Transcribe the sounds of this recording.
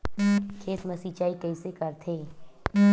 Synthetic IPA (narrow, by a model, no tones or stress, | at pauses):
kʰeːt̪mɐsit͡ʃaːikɐisekɐɾt̪ʰeː